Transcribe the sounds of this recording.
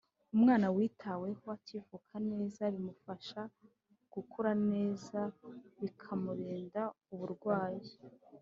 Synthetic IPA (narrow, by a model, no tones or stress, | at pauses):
umŋaːnawiːtʰawe̞hoacivukʰane̞ːzaɾimufaʃa | ɡ̥ukʰuɾane̞ːzaβikʰamuɾiːnda | uβuɾɡwaːji